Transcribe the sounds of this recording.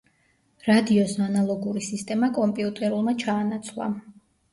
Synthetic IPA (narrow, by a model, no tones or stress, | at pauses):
ɾad̪iɔsnanalˠɔɡuɾisist̪ʼɛmakʼɔmpʼiut̪ʼɛɾulˠmat͡ʃʰaːnat̪sʰlˠa̰